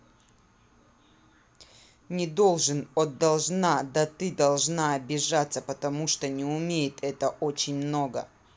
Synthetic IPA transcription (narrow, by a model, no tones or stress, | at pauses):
nʲɪd̪olˠʐɨnɔd̪ːɐlˠʐnad̪ɐt̪ɨd̪ɐlˠʐnaɐbʲɪʐat̪səpət̪ɐmuʂt̪onʲɪumʲejɪt̪ʰɛt̪əʔot͡ɕɪnʲmnoɡə̰